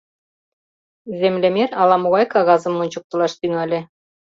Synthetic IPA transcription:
zʲemlʲemeɾɑlˠɑmuʁɑjkɑɣɑzɤ̆mŭnʲt͡ɕŭk̚t̪ɤ̆lˠɑʃt̪yŋælʲɘ̆

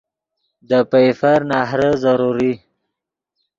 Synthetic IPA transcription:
d̪əpafaɾnɑɦɾəzaɾuɾi

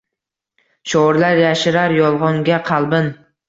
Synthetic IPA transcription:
ʃɒɾlaɾjaʃɪɾaɾjɒlˠʁɒŋɡʲaqʰɑlˠbɪn

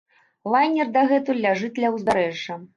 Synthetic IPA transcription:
lˠajnʲɛrd̪ɐɣɛt̪ulʲaʐɨt̪ʲlʲɐwzb̪ʲaɾɛʐːɐ

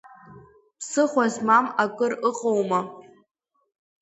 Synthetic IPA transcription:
pʰsɨχʷazmamakʼɨrɨqʼowma

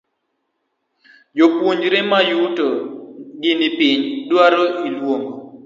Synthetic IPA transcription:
jopwuɲd͡ʒɾemajutoɡɪnipiɲdwaɾoʔilwoŋɡo

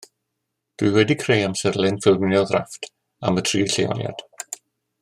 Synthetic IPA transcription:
d̥wɨwɛdikʰrejamsərlˠɪnfɪlnjɔðraftʰ | a̰mətʰriːɬejɔ̰lja̰d̥

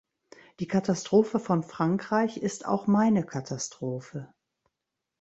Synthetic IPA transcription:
d̥iːkʰatastʁ̥oːfəfɔnfʁ̥aŋkʁ̥aɪçɪsta̰ʊxmaɪnəkʰatʰastʁ̥oːfə

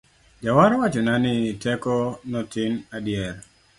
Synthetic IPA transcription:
d͡ʒawaɾɔwat͡ʃɔnanɪtɛkɔnɔtɪnadjɛr

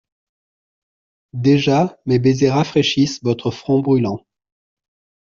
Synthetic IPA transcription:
d̪eʒamebezeʁafχeʃisvɔt̪χəfχɔ̃bʁylɑ̃

